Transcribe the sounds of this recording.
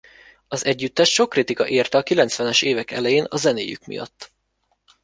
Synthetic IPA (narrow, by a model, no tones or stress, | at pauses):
ɒzɛɟːyt̪ːɛʃʃo̞kːrit̪ikɒ̰ʔeːrt̪ɛɒkilɛnt̪sʋɛnɛʃeːvɛkɛ̰lɛjeːnɒzɛnḛːjy̰kmḭjɒ̰t̪ː